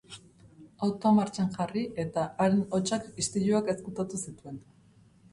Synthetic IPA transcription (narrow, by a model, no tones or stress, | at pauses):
awt̪omaɾt͡ʃanʝariʔe̞t̪aaɾeno̞t͡ʃakist̪iʎuake̞skut̪at̪usit̪ue̞n